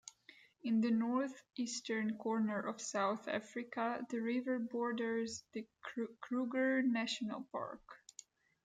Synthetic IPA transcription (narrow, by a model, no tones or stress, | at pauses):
ɪ̃nðɨnɔɹθistəɹnkʰɔɹnə˞ʔɔv̥saʊθæ̰fɹɪkaðəɹɪvə˞bɔɹdə˞zðɨkkʰɹuɡə˞næʃɔnə̰lˠpɑ̰ɹk